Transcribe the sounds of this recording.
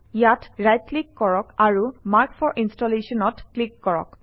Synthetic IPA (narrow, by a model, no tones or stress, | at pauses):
jatɹajt̚klikːɔɹɔkaɹumaɹkfʰɔɹʔinstɔlesɔnɔtklikːɔɹɔ̰k